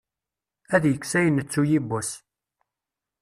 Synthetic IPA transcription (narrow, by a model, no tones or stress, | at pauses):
æðjəkːsæjənːət͡sːujibːus